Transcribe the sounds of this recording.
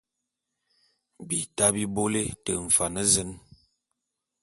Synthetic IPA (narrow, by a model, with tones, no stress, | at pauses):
bi˨ta˦bi˦bo˦le˦tə˨ɱ̩˨fa˨nə˦zə˦n